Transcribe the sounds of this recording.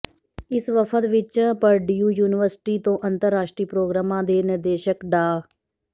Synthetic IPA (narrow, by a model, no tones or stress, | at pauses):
ɪsʋəpʰət̪ʋɪt͡ʃpəɾɖiːuːjuːnɪʋəɾsɪ̥ʈiːt̪õːʔənt̪əɾːaːʃʈɾiːpɾoːɡɾaːmãːd̪eːnɪɾd̪eːʃəkɖaː